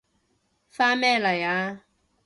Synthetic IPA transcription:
fa˦mɛ˦˨la˨ja˦

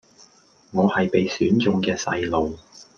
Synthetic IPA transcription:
ŋɔː˨˧hɐ˨jpe˨jsyː˨˥nt͡sʊ˨ŋkɛː˧sɐ̰˧jlo˨w

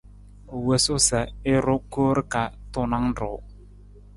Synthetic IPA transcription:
o˨we˨sʊ˦sə˨ɪ˦ɾʊ˦ko˦ɾka˨tʊ˦na˦ŋ˦ɾʊ˨˦

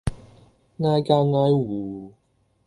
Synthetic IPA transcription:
ŋaː˧jkaː˧ŋaː˧jwuː˨˩˦

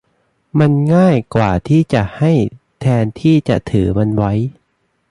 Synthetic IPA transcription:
ma˧nŋaː˥˩jkwaː˨˩t̪ʰiː˥˩t͡ɕa˨˩ʔha˥˩j | t̪ʰɛː˧nt̪ʰiː˥˩t͡ɕa̰˨˩ʔt̪ʰɯː˩˦ma˧nwa˦˥j

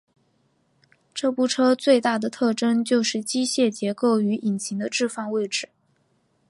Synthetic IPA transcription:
ʈ͡ʂɤ˥pu˥˩ʈ͡ʂʰɤ˥t͡swe˥˧ɪt̪a˥˩d̪ə˩t̪ʰɤ˥˩ʈ͡ʂɤ˥ŋt͡ɕjo˥˧ʊʂɻ̩˥˩t͡ɕi˥ɕjɛ˥˩t͡ɕjɛ˧˥ko˥˩ʊy˧˥ʔi˨˩nɕʰi˧˥ŋd̪ə˧ʈ͡ʂɻ̩˥˧fɑ˥˧ŋwe˥˩ɪʈ͡ʂɻ̩˨˩˦

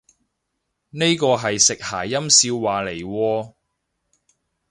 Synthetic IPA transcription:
ne˥jkɔː˧ɦɐ˨jsɪ˨k̚haː˨˩jjɐ˥msiː˧wːaː˨le˨˩jwɔː˧

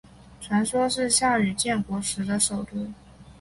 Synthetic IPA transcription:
ʈ͡ʂʰwa˧˥nʂwɔ˥ʂɻ̩˥˧ɕja˥˩y˨˩t͡ɕjɛ˥˩nkwɔ˧˥ʂɻ̩˧˥d̪ə˧ʂo˨˩ʊt̪wu˥˩n

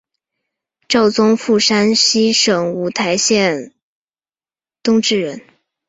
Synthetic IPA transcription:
ʈ͡ʂɑ˥˩ʊt͡sʊ˥ŋfu˥˩ʂa˥nɕi˥ʂɤ˨˩ŋu˧˥t̪ʰa˧˥ɪɕjɛ˥˩n | t̪ʊ˥ŋʈ͡ʂɻ̩˥˩ɻə˧˥n

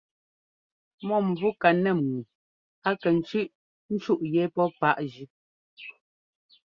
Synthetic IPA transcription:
mɔ˦˨mvu˦ka˨nɛ˨mu˨ | a˦kɛ˨n̩˨t͡ʃʉ˦ʔ | n̩˦t͡ʃu˦ʔjɛ˨˦pɔ˦pa˦ʔd͡ʒʉ˦

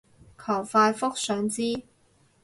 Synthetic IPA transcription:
kʰɐ˨˩wfaː˧jfʊ˥k̚sœː˨˧˥ŋt͡siː˥

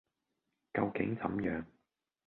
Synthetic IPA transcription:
kɐ˧wkɪ̰˨˥ŋt͡sɐ˨˥mjœː˨˥ŋ

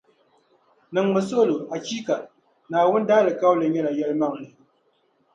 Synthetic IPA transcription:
nɨ˨ŋmɨ˨so˦˨lo˨a˨t͡ʃi˦ka˨ | naː˨wʊ˦n˦daː˦lɨ˨ka˦wlɨ˨ɲɛ˦la˨jɛ˦lɨ˦ma˦ŋlɨ˨

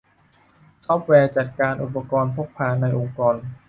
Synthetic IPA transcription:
sʰɔː˦˥p̚wɛː˧t͡ɕa˨˩t̪̚kaː˧nʔu˨˩pːa˧kɔː˧npʰo˦˥k̚pʰaː˧˩nːa˧jʔo˧ŋkɔː˧n

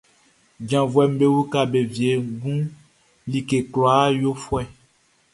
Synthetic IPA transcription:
d͡ʒã˨vwɛ˨m̩˦be˦wu˦ka˨be˨vi˨e˨ɡũ˦ | li˨ke˨klɔ˨a˦jo˦fwɛ˦˨

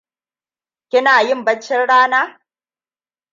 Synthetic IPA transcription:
kʲɪ˦naː˨jɪ˦˨mbɐ˦t͡ʃːɪ˦nɽaː˦naː˦

